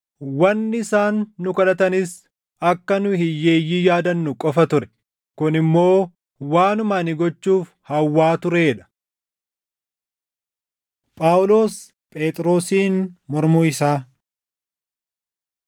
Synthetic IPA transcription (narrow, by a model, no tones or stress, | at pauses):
wɐnːɪsaːnːʊkɐlɐt̪ɐnɪs | ɐkːɐnʊhɪjːeːjːijaːd̪ɐnːʊkʼɔfɐt̪ʊɾɛ̥ | kʊnɪmːo̞ː | waːnʊmaːnɪɡɔt͡ʃːuːf | hɐwːaːt̪ʊɾeːᶑɐ̥ | pʼaːwlo̞ːs | pʼe̞ːt̪ʼɾo̞ːsiːnmɔɾmuːɪsaː